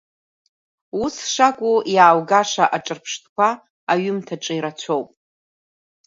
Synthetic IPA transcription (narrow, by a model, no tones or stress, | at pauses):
usʂakʷʼujaːwɡaʂaʔaʈ͡ʂʼɨrpʰʂtʰkʷʰaː | ɥʏmtʰaʈ͡ʂʼaiɾat͡ɕʷʰowpʼ